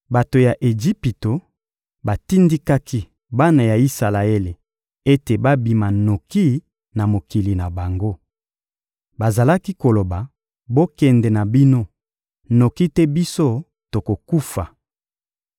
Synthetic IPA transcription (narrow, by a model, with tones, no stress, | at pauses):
ba˨to˨ja˨ʔe˨d͡ʒi˦pi˨to˨ | ba˨ti˦ndi˦ka˦kʰi˦ | ba˦na˨ja˨i˦sa˨la˨e˦le˨ | e˦te˨ba˦bi˨ma˨no˨ki˦ | na˨mo˨ki˨li˨na˨ba˨ŋɡo˦ | ba˨za˨la˦ki˦ko˨lo˨ba˨ | bo˦kɛ˨ndɛ˨na˨bi˦no˦ | no˨ki˦tɛ˦bi˦so˦ | to˨ko˨ku˦fa̰˨